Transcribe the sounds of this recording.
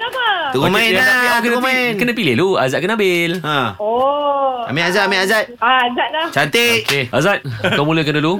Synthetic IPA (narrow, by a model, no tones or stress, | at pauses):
aəəkumãdnazalakənəmãnkənəpilɪlua̰zat̚kənabɪlə̃o | a̰meazat̪̚amiazat̪̚aazaʔ̚lat͡ʃant̪eoʔkeazat̪̚akawmuləkənəlu